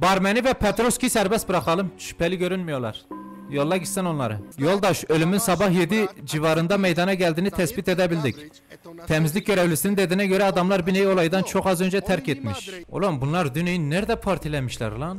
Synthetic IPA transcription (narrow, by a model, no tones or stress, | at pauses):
bɑɾmɛnivɛpʰɛt̪ɾoskʲisɛɾbɛst̪bɨɾɑχˠɑlˠɨmt͡ʃʃy̥pɛlɪɡʲøɾynmijolˠɑ̰ɾ | jolˠːɑɡʲisɛnonlˠɑ̰ɾɯ̰jolˠd̪ɑʃølymynsɑbɑhjed̪id͡ʒivɑɾɯnd̪ɑmɛjd̪ɑnɑɡʲɛld̪inɪt̪ʰɛsbit̪ed̪ɛbild̪ɪkʲ | t̪ʰɛmizlɪk̚ʲɟøɾɛwlisinɪnd̪ed̪inɛɡʲøɾɛɑd̪ɑmlˠɑɾbinejolˠɑjd̪ɑnt͡ʃʰoχɑzønd͡ʒɛt̪ʰæɾkʲet̪miʃo̰lˠombunlˠɑɾd̪ynejinnːæɾd̪ɛpʰɑɾt̪ʰilɛnmiʃlæ̰ɾlˠɑn